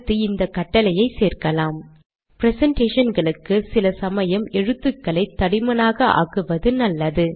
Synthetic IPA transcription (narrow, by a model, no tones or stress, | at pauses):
t̪ːɯɪnd̪ɐkːɐʈːɐlɐjɐɪseːrkɐlaːm | pɪɾɛsɛɳʈeːʂɐnɡɐɭɯkːɯsɪlɐsɐmɐjɐmɛɻɯt̪ːɯkːɐɭɐɪt̪ːɐɽɪmɐnaːɣɐʔa̰ːɣɯʋɐðɯnɐlːɐðɯ